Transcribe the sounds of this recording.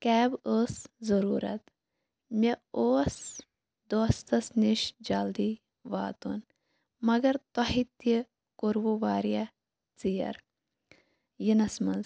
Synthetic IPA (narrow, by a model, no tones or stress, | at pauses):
kɛːboːszɐɾuːɾɐ̰t̪ | mʲeoːs | d̪oːst̪ɐsniʃd͡ʒɐld̪iː | ʋa̰ːt̪ṵn | mɐɡɐɾt̪ɐɦit̪i | koɾʋuʋaːɾijɐ | t͡sijɐ̰ɾ | jinɐsmɐnz